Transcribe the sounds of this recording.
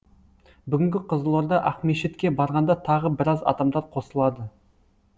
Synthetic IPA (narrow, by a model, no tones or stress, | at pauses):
bʏɡʲɪŋʲɡʲɪqʰəzəlˠoɾd̪ɑʔæqmeʃet̪kʲe̞bɑɾʁɑnd̪ɑt̪ʰɑʁəbɪɾɑzɑ̰d̪ɑmd̪ɑɾqʰo̞səlˠɑd̪ə